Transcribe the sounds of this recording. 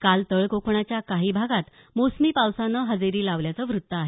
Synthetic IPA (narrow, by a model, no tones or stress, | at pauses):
kalt̪əɭkokʰɳ̃at͡ɕjakaɦiːbʱaɡat̪ | mosmiːpawsanəɦəd͡zeɾiːlaʋljat͡səʋɾut̪ːəaɦe